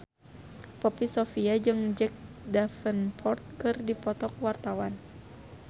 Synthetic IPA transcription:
pɔpisofiad͡ʒɨŋd͡ʒɛk̚dafənpʰɔrt̪̚kɨrdipɔt̪ɔk̚wart̪awan

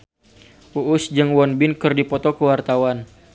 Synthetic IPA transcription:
uʔʊsd͡ʒɨŋwɔnbɪnkɨrdipɔt̪ɔkəwart̪awan

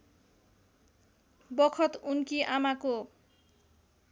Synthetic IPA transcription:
bʌkʰʌt̪unkiʔamako

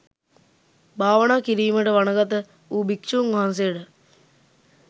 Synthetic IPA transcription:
baːʋənaːkiɾiːməʈəʋanəɡat̪ə | uːbikʂuːŋʋaɦans̬ejəʈə

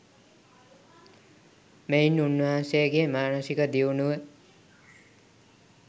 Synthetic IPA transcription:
mejnunːuasekemaːnʌsikʌd̪iwnu

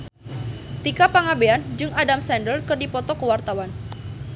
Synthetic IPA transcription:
t̪ikapaŋabeand͡ʒɨŋadamsɛndəlkɨrdipɔt̪ɔkəwart̪awan

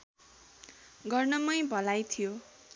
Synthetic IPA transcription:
ɡʌrnʌmʌj̃bʱʌlajt̪ʰijo

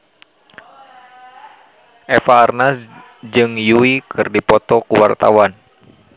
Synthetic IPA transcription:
ʔɛfaːrnas | d͡ʒɨŋjuikʰɨrdipɔt̪ɔkuwa̰rt̪a̰wan

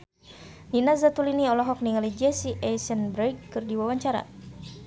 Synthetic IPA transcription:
ninazat̪uliniɔlɔɦɔk̚niŋalid͡ʒɛsiʔɛsənbɾɛkːɨrdiwawaɲt͡ʃaɾa̰

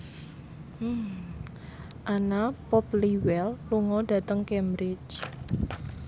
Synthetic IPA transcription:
ʔanapɔpliwɛlluŋɔda̤t̪əŋkɛmbɾɪt͡ʃ

